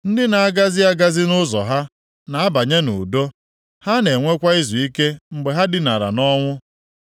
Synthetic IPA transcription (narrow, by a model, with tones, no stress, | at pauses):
n̩˦dɪ˦na˨a˦ɡa˦zɪ˦a˦ɡa˦zɪ˦nʊ˦zɔ̰˨ɦa˦ | na˨a˦ba˨ɲe˦nʊ̰˨do˦ | ha˦ne˨ŋʷe˦kʷa˦ɪ˦zu˨i˦ke˦ŋ͡m̩˨ɡ͡be˨ɦa˦dɪ˨na˨ɾa̰˨nɔ˦ŋʷʊ˦